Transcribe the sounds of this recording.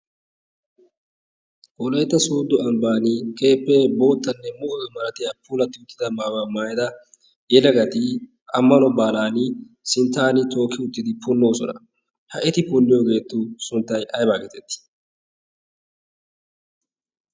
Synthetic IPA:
ʔɔlejt̪ːɐsuːd̪ːɔɐmbaːnɪkʼe̞ːpːɛbo̞ːt̪ːɐnːɛmʊʔɔɪmɐɾɐt̪ɪɐpːuːlɐt̪ːɪʊt̪ːɪd̪ɐmaːwamaːjd̪ɐ | jɛlɐɡɐt̪ɪ | ɐmːɐnɔbaːlaːnɪ | sɪnt̪ːaːnɪt̪o̞ːkːɪʊt̪ːɪd̪ɪpʊnːo̞ːsɔnɐ̰ | hɐɛt̪ɪpʊlːɪjoɡe̞ːt̪ːʊsʊnt̪ːɐjʔɐjbaːɡɛt̪ɛt̪ːɪ̥

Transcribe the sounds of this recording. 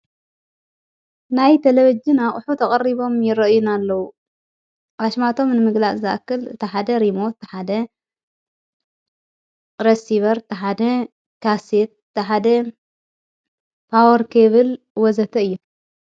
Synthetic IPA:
najt̪ʰeleβid͡ʒinaχʼʊħut̪ʰɐkʼɐɾiβo̞mjɪɾɐʔɨjunalːɐwu | ʔaʃmat̪ʰo̞mnɨmɨɡlat͡szɨʔa̰kːɨlɨ̰t̪ʰiħad̪ɐɾimo̞t̪ħad̪ɐ | ɾesiβɐɾɨt̪ʰiħad̪ɐ | kʰaset̪̚t̪ʰiħad̪ɐ | pʰawɐɾkʰeβɨl | wɔzɐt̪ʰɐɨjːu

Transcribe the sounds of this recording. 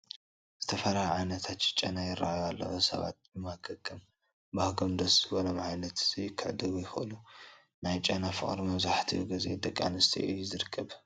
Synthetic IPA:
z̥ɨt̪ʰɐfɐɾahʕajnɐt̪ʰat̪ɪt͡ʃʼɐnajɪrːa̰ʔjalːɐ̰ʔosɐ̰βa̰t̪̚bɨmakʰɐkʰʼːɨm | bahɡomd̪ɐszɨbolomʕajnɐt̪z̥ijɪkʰːɨʕd̪ɨɡujɪxɨʔɨlu | najt͡ʃʼɐnafɨ̰χʼɾimɐβzaħt̪ʰḭɡɨzḛd̪ɐkʼːa̰nɨst̪ʰḭʔɨjzɨɾɨkʰːɐβ

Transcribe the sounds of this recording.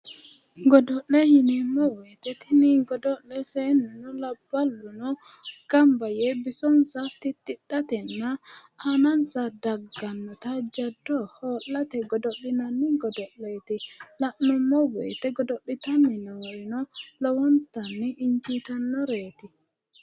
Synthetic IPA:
ɡɔdɔʔɛjinimːɔwet̪ɛt̪iniŋɡɔdɔlːɛsɛːnːɛnɔlabːalːunɔ | ɡ̥ambajɛbisɔnsat̪it̪ːiɗːat̪ɛnːa | anansadaɡːanːɔt̪ad͡ʒadːɔhɔːlːat̪ɛɡɔdɔɗinanːiɡɔdɔlːet̪ilaʔnɔmːɔwɛ̰ːt̪ɛɡɔdɔɗːit̪anːɛnɔwɔnɔlɔwɔnt̪anːɛʔːɲt͡ʃit̪anːɔɾeːt̪i

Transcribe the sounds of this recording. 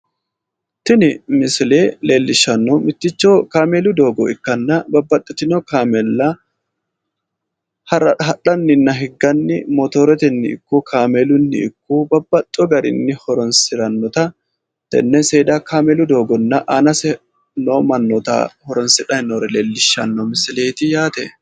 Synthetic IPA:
t̪ɪnɪmɪsɪleːle̞ːlːɪʃːɐnːɔmɪt̪ːɪt͡ʃːokaːmelʊd̪o̞ːɡɔɪkːɐnːɐbɐbːɐt̪ʼːɪt̪ɪnokaːmɛlːɐ | hɐɾɐɦɐᶑɐnːɪnːɐɦɪɡːɐnːɪmɔt̪oːɾɛt̪ɛnːɪɪ̰kːuːkʰaːmelʊnːɪ̰ɪkːuːbɐbːɐt̪ʼːɔɡɐɾɪ̰nːɪhɔɾɔnsɪɾɐnːɔt̪ɐ | t̪ɛ̰nːɛnseːd̪akaːmɛlʊd̪o̞ːɡɔnːɐʔanɐsɛ | noːmɐnːɔt̪ɐ̰hɔɾɔnsɪᶑɐnoːɾɛleːlːɪʃːɐnːɔmɪsɪleːt̪ɪjaːt̪ɛ

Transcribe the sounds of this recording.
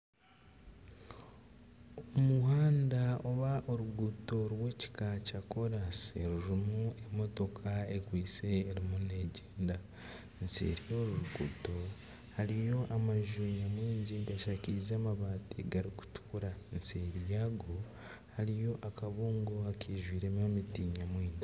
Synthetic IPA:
omuhaːndao̞βaʔoɾuɡuto̞ɾwe̞ːci̥kacako̞ɾaseɾuɾimue̞mo̞to̞kʰaekwiːse̞ːɾimune̞ɟeːnda | nsḛɾijoːɾuɾuɡṵto̞ | haɾijo̞ʔamaʒuɲamwiːɲɟiɡaʃaciɾizaːmaβaːtḭɡaɾiku̥tu̥kuɾanseɾijaːɡo̞ | haɾijo̞ʔakaβuːŋɡo̞akʰeːʒwiːɾemamitiːɲamwiːɲɟi

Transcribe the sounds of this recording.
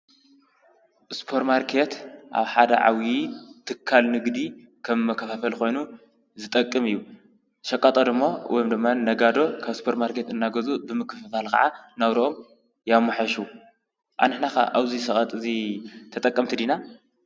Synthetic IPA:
ɨspʰo̞ɾt̪maɾkʰe̞t̪ʔa̰βħad̪ɐ̰ʕa̰wjit̪ʰɨkʰːalnɨɡd̪i | kʰɐmːɐkʰːɐfafɐlko̞jnu | zɨt̪ʼɐkʼːɨmɨjːu | ʃɐkʼːat̪ʼod̪ɨmːowɔ̰jomd̪ɨmːanɐɡad̪o̞kʰaβɨspʰoɾt̪maɾkʰe̞t̪ɨnːaɡɐzubɨmɨkːɨfafalkʰɐ̰ʕanɐβɾʔom | jamːaħɐʃu | ʔa̰nɨħnaka̰ʔaβzisɐxʼɐt̪ʼɨzit̪ʰɐt̪ʼɐkʼːɐmt̪ʰid̪ina

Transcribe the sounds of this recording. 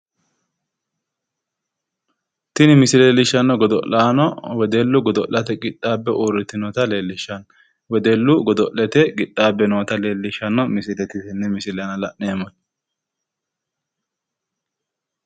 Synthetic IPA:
t̪ɪnɪmɪsɪleːlːɪʃːɐnːɔɡɔd̪ɔ̰laːnɔwɛd̪elːʊɡɔd̪ɔʔɐt̪ɛɡɪt̪ʼːaːbːɛʔuːrɪt̪ːɪnɔt̪ɐleːlːɪʃːɐn | wɛd̪elːʊɡɔd̪ɔlːɛt̪ɛɡɪt̪ʼːaːbːɛnoːt̪ɐleːlːɪʃɐnːɔmɪsɪlɛt̪ɪsɛnːɛmɪsɪlɛjɐnɐlɐʔnemɔn

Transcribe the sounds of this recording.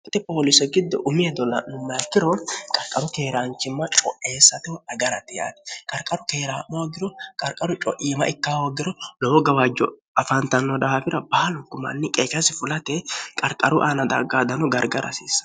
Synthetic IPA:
t̪ːɛpoːlɪsɛɡɪd̪ːɔ̰ʔʊmɪɛd̪ɔlɐ̰nʊmːɐjɐkːɪɾɔkʼɐɾkʼɐɾʊkeːɾaːnt͡ʃːɪmːɐt͡ʃʼɔ̰ʔe̞ːsːɐt̪ɛɐɡɐɾɐt̪ːɪja̰ːt̪ɛ̥kʼɐɾkʼɐɾʊkeːɾaːmɔwɐɡɪɾɔkʼɐɾkʼɐɾʊt͡ʃʼɔʔiːmɐʔɪkːaːwɔɡɪɾɔlɔɔɡɐwɐd͡ʒːɔ̰ | ɐfɐnt̪ɐnːɔd̪ɐhafɪɾɐbɐːlʊkːʊmɐ̰nːɪkʼeːkɐsɪfʊlɐt̪ɛkʼɐɾkʼɐɾʊʔaːnɐd̪ɐ̰ɡaːd̪ɐnɔɡɐɾɡɐɾɐ̰sḭːsːɐ̥

